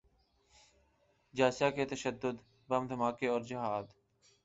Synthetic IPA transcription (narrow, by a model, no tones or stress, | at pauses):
d͡ʒaːsaːkeːt̪əʃəd̪ːʊd̪ | bəmd̪ʱəmaːkeːɔːɾd͡ʒɪɦaːd̪